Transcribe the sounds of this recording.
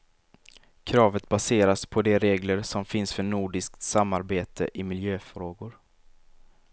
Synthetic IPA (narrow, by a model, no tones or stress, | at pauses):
kʰɾɑːvət̪baseːɾaspʰɔd̪ɛɾeːɡləɾsɔmfɪnsfœɳuːɖɪskt̪samːaɾbeːt̪ʰə̰ʔɪmɪljøːfɾoːɡʊɾ